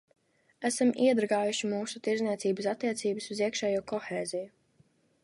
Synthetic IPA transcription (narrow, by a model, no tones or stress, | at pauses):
æsamiɛd̪ɾɡaːjuʃimuːsut̪iɾzniɛsiːbasat̪ːiɛt̪siːbɨsuziɛkʃɛːjuːkɔxeːziju